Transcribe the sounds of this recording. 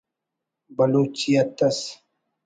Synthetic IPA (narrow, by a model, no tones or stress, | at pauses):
bɐloːt͡ɕijɐt̪ɐs